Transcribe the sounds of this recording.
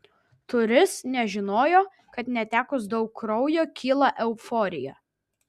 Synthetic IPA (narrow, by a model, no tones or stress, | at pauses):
t̪ʊɾʲɪsnʲɛʒʲɪnoːjoː | kɐt̪nʲɛt̪ʲæːkʊs̬d̪ɒʊkːɾɒʊjoːkʲiːlˠɑʔɛʊfɔːɾʲɪjɛ̰ː